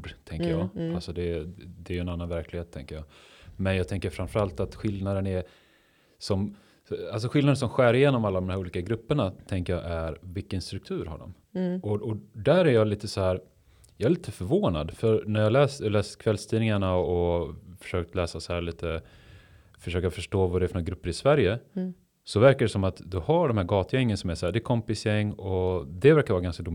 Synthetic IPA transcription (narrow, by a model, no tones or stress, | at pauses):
ɖt̪ʰɛŋkəjjɑːalsɔd̪ɛd̪ɛɾjɵɛnanːanvæɾklɪɡheːt̪ʰːɛ̰ŋkəjɑː | mɛnjɑːt̪ʰɛŋkəɾfɾanfœɾalt̪at̪ɧɪld̪nad̪ənɛ | sɔm | als̬ɔɧɪlnad̪ənsɔmɧæːɾɪjeːnɔmalːad̪ɔmmɦæɾuːliːkaɡɾɵpːəɳat̪ʰɛŋkəjɑ̰ːʔæɾvɪkːənst̪ɾɵk̚t̪ʰʉ̟ːɾɦa̰ɖɔ̰m | ɔʔɔd̪æɾæɾjɑliːt̪əsɔhæːɾ | jɑːɛɾliːt̪ʰəfœɾvoːna̰d̪fœɾnæɾjɑːlɛːslɛːskʰvɛlst̪ʰiːnɪŋaɳaɔfœ̥ʂøːk̚t̪lɛːsasɔhæːɭiːt̪ə | fœʂøːkafœʂʈoːvaɖɛæfnːɡɾɵpːəɾɪsvæɾjə | sɔvæɾkaɖɛsɔmat̪d̪ɵhaɖɔmhæːɾɡɑːt̪əjɛŋːənsɔmæʂæːɖ̪ɛkʰɔmpɪsjɛŋːɔd̪ɛvæɾkavɑːɾaɡanskad̪ʊ